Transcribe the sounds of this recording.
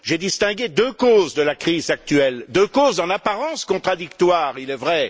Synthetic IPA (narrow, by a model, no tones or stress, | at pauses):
ʒed̪ist̪ɛ̃ɡed̪økozd̪əlakχizak̚t̪ɥɛld̪økozɑ̃napaʁɑ̃skɔ̃t̪χad̪ikt̪waːʁilɛvʁɛ